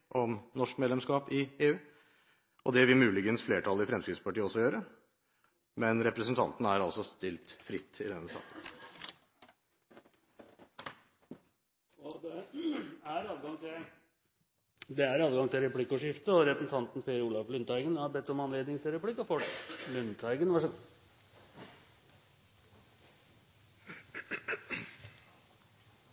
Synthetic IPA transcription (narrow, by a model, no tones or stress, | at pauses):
ʔɔmnɔʂkmeːd̪lɛmskɑːpɪeːʉː | ʔɔd̪ɛʋɪlmʉːlɪɡənsfleːʈʰɑləɪfɾɛmskɾɪt̪spɑʈiːəɔsːɔjøːɾə | mɛnɾɛpɾəsənt̪ʰɑ̰nt̪n̩æɾɑlsɔst̪ɪlt̪fɾɪt̪ʰːɪd̪ɛnːəsɑ̰ːkən | ɔd̪ɛ | æɾɑːʋɡɑŋt̪ʰɪl | d̪ɛæɾɑːʋɡɑŋt̪ʰɪlɾɛpʰlɪkːʊʂɪft̪əɔɾɛsəsn̩t̪ʰɑnt̪n̩feːɾuːlɑflʏnt̪æɪɡənhɑɾbɛt̪ːɔmɑnleːd̪nɪŋt̪ʰɪlɾɛpʰlɪkːɔfɔlʏnt̪ʰæɪɡənʋɑʂ